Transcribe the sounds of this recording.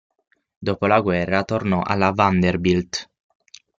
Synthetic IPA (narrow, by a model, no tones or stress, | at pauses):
d̪oːpolaɡwɛrːat̪ornɔʔa̰lːavand̪erbild̪